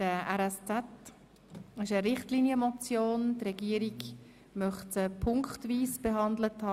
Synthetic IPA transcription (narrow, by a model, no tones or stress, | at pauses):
d̥əʔɛɾɛst͡sɛt | ɪʃəɾɪχtliːnjəmɔt͡sjoːntrɛɡiəɾiɡ | mœχtəpʰʊŋkχtviːsb̥eɦɑnd̪ləthɑː